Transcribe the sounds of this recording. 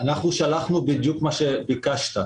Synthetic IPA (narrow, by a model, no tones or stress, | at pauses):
anaχnuʃalaχnubid̪jukmaʃebikaʃt̪a